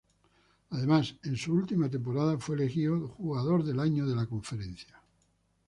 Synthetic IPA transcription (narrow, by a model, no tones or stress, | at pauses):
aðe̞mase̞nsuult̪imat̪̬e̞mpoɾaðafweːlexioxuɣaðo̞ɾðe̞laɲoðe̞lako̞ɱfe̞ɾẽ̞n̟θja